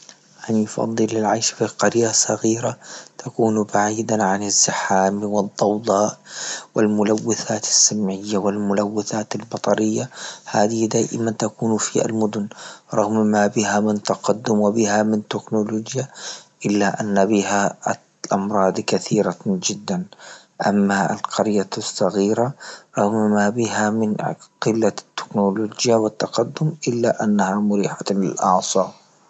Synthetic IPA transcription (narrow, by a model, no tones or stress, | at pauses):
ʔanjfɑ̰d̪ˤːɨlːɪlʕajʃfiqɑɾjasˤɑɣiːɾat̪ʰakuːnbaʕiːd̪aʕanɪzːɪħaːmwɨd̪ˤːɑwd̪ˤɑːʔwɪlmʊlawːɪθaːt̪ḁsːamʕɪjːawɪlmʊlawːɪθaːt̪albɑt̪ˤɑɾɪjːahaːd̪ɪd̪aːʔɪ̰mant̪akuːnfia̰lmʊd̪ʊnɾˤɑɣmmabɪhamɪnt̪ɑqɑd̪ːʊmwɪbɪhamɪnt̪ɪknʊloːd͡ʒjaʔɪlːaʔanːabiha | ʔɑmɾˤɑːd̪ˤkaθiːɾad͡ʒɪd̪ːan | ʔa̰mːaa̰lqʰɑɾjasˤːɑɣiːɾaɾˤɑɣmmaːbɪɦamɪnqɪlːat̪ːɪ̥knoloːd͡ʒjawɪt̪ːɑqɑd̪ːʊmʔɪlːaʔanːahamʊɾiːħaɪ̰lʔɑʕsˤɑː